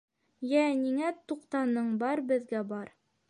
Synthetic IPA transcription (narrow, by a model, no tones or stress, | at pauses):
jæniŋæt̪uqt̪ɑnɤɴbɑɾbɘ̆ðɡæbɑɾ